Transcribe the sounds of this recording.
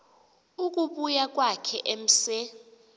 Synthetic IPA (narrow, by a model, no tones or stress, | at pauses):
uk̬ʼuɓujak̬ʼwakʰɛʔem̩se